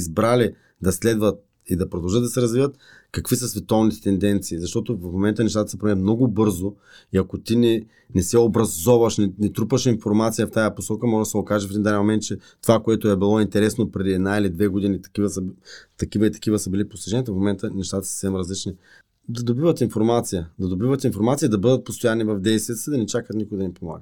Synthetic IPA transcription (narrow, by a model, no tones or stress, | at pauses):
zbɾali | d̪ɐslɛd̪vɐt̪̚ | id̪ɐpɾod̪ɐlˠʒəd̪d̪ɐsɛɾɐzvivət̪ | kɐkvisəsvɛt̪ɔvnit̪ɛ̥t̪ɛnd̪ɛnt̪siːzɐʃt̪ɔt̪ovəfmomɛnt̪ənɛʃt̪at̪ə̥sɛpɾmɛət̪mnɔɡʊbɤɾzo | iɐkot̪inɛ | nɛsɛobɾɐzɔvɐʃnɛnɛt̪ɾupəʃinfoɾmat̪sijəft̪ajəposɔkəmɔʒd̪ɐsɛokaʒɛfɛd̪ind̪aɛnmomɛnt̪̚t͡ʃɛt̪ovakoɛt̪oɛbilˠɔint̪ɛɾɛsnopɾɛd̪iɛd̪nailid̪vɛɡod̪init̪ɐ̥kivəsət̪ɐkivəit̪ɐ̥kivəsəbilipost̪iʒɛniət̪əfmomɛnt̪ənɛʃt̪at̪ə̥sə̥fsɛmɾɐzlit͡ʃni | d̪ɐd̪obivət̪infoɾmat̪sijəd̪ɐd̪obivət̪infoɾmat̪sijəd̪ɐbɤd̪ət̪̚post̪ojanivɐvd̪ɛjst̪viət̪sid̪ɐnɛt͡ʃakət̪nikʊɡɛd̪ɐnipoma̰ɡət̪